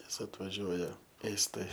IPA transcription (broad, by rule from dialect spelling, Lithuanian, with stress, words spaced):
ˈnʲɛs ɐtʋɐˈʒʲuɔjɛ ˈeːstɐɪ